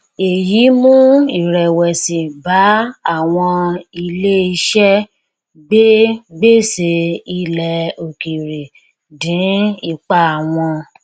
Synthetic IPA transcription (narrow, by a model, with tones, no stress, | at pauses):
e˨ji˨˦mũ˦i˨ɾɛ˨wɛ˨si˨ba˨˦a˦˨w̃ɔ̃˧i˧le˦i˧˦ʃɛ˦ | be˦be˦se˧i˧lɛ˨o˨ki˨ɾe˨ | dĩ˨˦i˦˨k͡pa˦˨w̃ɔ̃˧